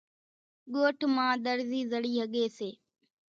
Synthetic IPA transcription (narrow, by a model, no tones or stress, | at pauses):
ɠoːʈʰmãːɗ̪əɾziːzəɽiːɦəɠeːseː